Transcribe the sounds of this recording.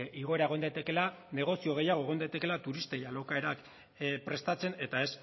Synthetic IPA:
ʔiɣ̞o̞e̞ɾaeɣ̞nd̪ajt̪e̞ke̞la | ne̞ɣ̞o̞sio̞ɣ̞e̞jaɣ̞o̞eɣ̞o̞nd̪ajt̪e̞ke̞lat̪uɾist̪ejalowkae̞ɾak | pɾe̞st̪at͡se̞ne̞t̪ae̞s

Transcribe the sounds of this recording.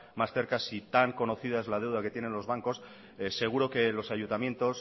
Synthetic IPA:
masθe̞ɾkasit̪aŋko̞no̞θiðae̞zlað̞e̞wðaket̪je̞ne̞nlo̞zβ̞aŋko̞s | ese̞ɣ̞uɾo̞ke̞lo̞saʝunt̪amje̞nt̪o̞s

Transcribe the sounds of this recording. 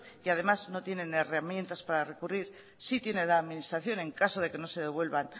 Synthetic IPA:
iað̞e̞mazno̞t̪je̞nẽ̞ne̞ramje̞nt̪aspaɾare̞kuriɾ | sit̪je̞ne̞ðaːðminist̪ɾaθjo̞ne̞ŋkaso̞ð̞e̞ke̞no̞se̞ðe̞βwe̞lβan

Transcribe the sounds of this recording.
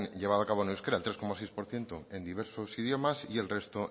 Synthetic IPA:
nʎe̞β̞aðoakaβoneuskeɾaelt̪ɾekomasejspo̞ɾθje̞nt̪oe̞nd̪iβ̞eɾsosið̞jo̞masie̞lre̞st̪o

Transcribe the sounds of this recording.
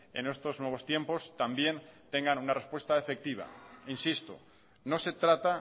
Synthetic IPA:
e̞̰ne̞st̪o̞znwe̞β̞o̞st̪je̞mpo̞st̪ambje̞nt̪e̞ŋɡanunarespwe̞st̪aefe̞k̚t̪iβ̞a̰insist̪o̰ | no̞se̞t̪ɾat̪a

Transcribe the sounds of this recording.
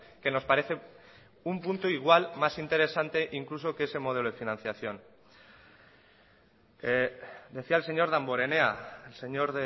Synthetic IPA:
ke̞no̞spaɾe̞θe | umpunt̪oiɣ̞walmasint̪e̞ɾe̞sant̪e̞ʔiŋkluso̞keese̞mo̞ð̞e̞loð̞efinãn̟θjaθjo̞n | d̪e̞θiaelse̞ɲo̞ɾðamboɾe̞ne̞aelseɲo̞ɾðe

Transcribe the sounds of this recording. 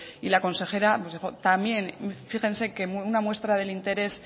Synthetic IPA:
ilako̞nse̞xe̞ɾaposðixo̞t̪amje̞nfixe̞nse̞kemunamwe̞st̪ɾað̞e̞lint̪e̞ɾe̞s

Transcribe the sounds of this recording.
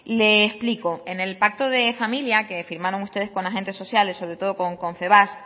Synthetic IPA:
le̞ːsplikoene̞lpak̚t̪oðe̞familjake̞fiɾmaɾo̞ŋust̪e̞ð̞e̞sko̞naxe̞nt̪e̞sːo̞θjale̞sːo̞βɾe̞t̪o̞ðoko̞ŋko̞ɱfe̞βas

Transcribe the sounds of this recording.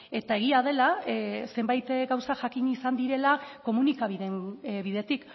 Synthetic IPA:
e̞t̪ae̞ɣ̞iað̞e̞lase̞mbajt̪ɡawsaʝakiɲisand̪iɾe̞lako̞munikaβiðe̞nβiðe̞t̪ik

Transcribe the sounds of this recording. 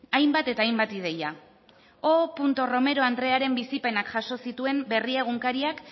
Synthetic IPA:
ajmbat̪e̞t̪aːjmbat̪ið̞e̞ja | opunt̪o̞ro̞me̞ɾo̞and̪ɾe̞aɾe̞mbisipe̞nakʝaso̞sit̪ue̞mbe̞rie̞ɣ̞uŋkaɾiak

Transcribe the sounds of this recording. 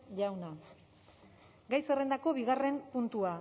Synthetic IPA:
ʎawna | ɡajsere̞nd̪ako̞βiɣare̞mpunt̪ua

